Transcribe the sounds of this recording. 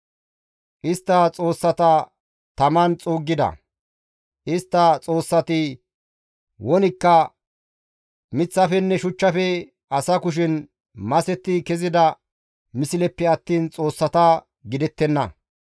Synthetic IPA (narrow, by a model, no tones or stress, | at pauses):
ʔɪst̪ːɐt͡sʼo̞ːsːɐt̪ɐ | t̪ɐmɐnt͡sʼoːɡːɪd̪ɐ̰ | ʔɪst̪ːɐt͡sʼo̞ːsːɐt̪ɪ | wɔnɪkːɐ | mɪt͡sːɐfɛnːɛʃʊt͡ʃːɐfɛ | ɐsɐkʊʃ̬ɪn | mɐsɛt̪ːɪkɛzɪd̪ɐ | mɪsɪlɛpːɛɐt̪ːiːnt͡sʼo̞ːsːɐt̪ɐ | ɡɪd̪ɛt̪ːɛnːɐ̰